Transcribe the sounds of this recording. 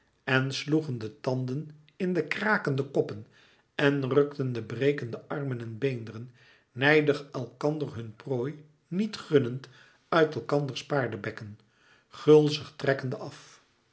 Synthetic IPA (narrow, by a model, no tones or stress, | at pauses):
ɛnsluχəndətɑndən | ɪndəkraːkəndəkɔpən | ɛnrɵktəndəbrejkəndəʔɑrmənɛnbejndərənː | ɛjdəχɛlˠkɑndərɦɵnproːj | nitχɵnənt | œɥtɛlˠkɑndəɹspaːɹdəbɛkən | χɵlˠzəχtrɛkəndəʔɑf